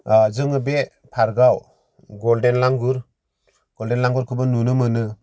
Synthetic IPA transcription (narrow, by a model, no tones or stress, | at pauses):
d͡ʒɯŋɯbe | pʰaɾɡaw | ɡɔldenlaŋɡuɾ | ɡ̥ɔldenlaŋɡuɾkʰɯbɯnunɯmɯnɯ